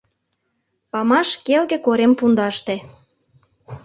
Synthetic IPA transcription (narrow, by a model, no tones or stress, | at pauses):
pɑmɑʃkelɣĕkoɾempund̪ɑʃt̪ĕ